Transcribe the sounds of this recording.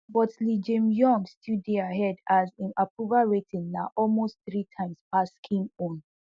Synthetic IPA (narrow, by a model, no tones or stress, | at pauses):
bɔtlid͡ʒẽmjɔ̃ŋɡstʰideaɦɛdazĩnapɹuvaɹetʰĩnnaʔɔlmost̚θɹitʰãɪ̃mspaskʰĩŋɔ̃n